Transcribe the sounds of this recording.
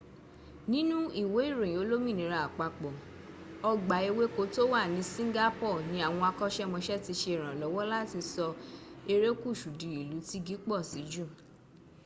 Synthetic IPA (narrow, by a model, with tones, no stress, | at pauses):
nĩ˦nũ˦i˦˨we˨˦i˦˨ɾõ˨ĩ˨o˨˦lo˦mĩ˦˨nĩ˨˦ɾa˨a˨k͡pa˧˨k͡pɔ˨ | ɔ˧ɡ͡ba˨˦e˧we˦ko˧˦to˦wa˦˨nĩ˨˧˦sĩ˦ɡa˦pɔ˦˨nĩ˨˦a˨w̃ɔ̃˧a˧kɔ˦ʃɛ˦˨mɔ̃˧ʃɛ˦ti˧ʃe˧˨ɾ̃ã˨lɔ˨˦wɔ˦la˦ti˧sɔ˧e˧ɾe˦ku˦˨ʃu˨dĩ˨˦i˨lu˨˦ti˦ɡi˦k͡pɔ˦˨si˨˦d͡ʒu˦˨